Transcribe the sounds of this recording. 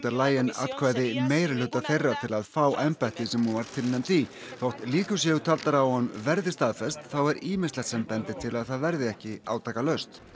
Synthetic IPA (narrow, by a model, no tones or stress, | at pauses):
t̪aɾlaːjɪna̰t̪kʰvaːjðɪmeːjɾalʏt̪ːaθejrːat̪ʰɪlaðfaːwʔɛmpajt̪ɪsɛmhunvaɾ̥t̪ʰɪlnɛmt̪i | θowht̪liːkʏ̥s̬jɛɣʏt̪ʰalt̪aɾawhanːvɛɾðɪst̪aːðfɛst̪θawɛɾiːmɪslɛt̪sɛmpɛnt̪ɪt̪ʰɪlaðθaðvɛɾðɪɛhcɪa̰ːwt̪ʰaːkalœɥst̪